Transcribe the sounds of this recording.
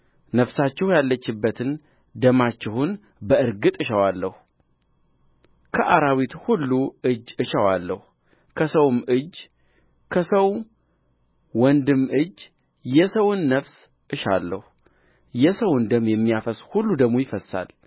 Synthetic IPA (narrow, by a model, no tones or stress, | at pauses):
nəfsat͡ʃːɛhjalːət͡ʃːɪbːət̪ʰɨn | d̪əmat͡ʃːɪhʊn | bəɨɾɡɨt̪ʼɨʃəwalːəhu | kʰəʔaɾawit̪hulːuɨd͡ʒːɨʃəwalːəhu | kʰəsəwmɨd͡ʒ | kʰəsəw | wɔnd̪ɨmːɨd͡ʒ | jɛsəwʊnːəfs | ʔɨʃa̰lːəhu | jɛsəwnd̪əmjɛmːijafəshulːud̪əɡmojɪfəsːa̰l